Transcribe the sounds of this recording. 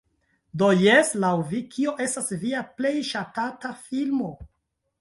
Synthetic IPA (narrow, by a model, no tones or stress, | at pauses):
dojeslawvikʰio̞ʔe̞stasviaple̞jʃatatafilmo̞